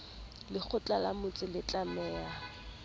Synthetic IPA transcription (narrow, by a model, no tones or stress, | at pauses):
lɪk͡xʰʊt͡ɬʼalamʊt͡sʼɪlɪt͡ɬʼamɛːa